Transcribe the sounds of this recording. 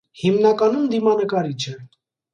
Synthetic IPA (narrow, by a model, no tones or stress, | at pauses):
himnɑkɑnumd̪imɑnəkɑɾit͡ʃʰɛ